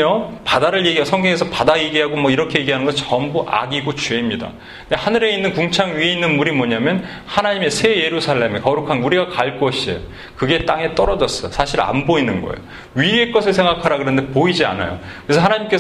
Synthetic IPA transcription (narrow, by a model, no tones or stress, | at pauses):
ʌpadaɾɯɭje̞ɡiasʰʌŋɡʌŋe̞sʰʌpadaje̞ɡiɦaɡomʌiɾʌkʰe̞je̞ɡiɦanɯnɡʌt͡ɕʌmbuʔa̰ɡiɡot͡ɕuemɲida̰ | dehanɯɾe̞inːɯnkuŋt͡ɕʰaŋɥieinːɯnmuɾimʌɲamjʌn | hanaɲime̞sʰe̞je̞ɾusʰaɭːe̞me̞kʌɾukʰanuɾiɡakaɭk͈ʌɕʰiḛo | kɯɡe̞t͈aŋe̞t͈ʌɾʌd͡ʑʌs͈ʌjosʰaɕʰiɾa̰nboinɯnɡʌ̰ḛjo | ɥie̞k͈ʌsʰɯɭs̬ʰe̞ŋɡakʰaɾakɯɾʌnde̞poid͡ʑia̰na̰jo̰kɯɾesʰʌanaɲimk͈e̞s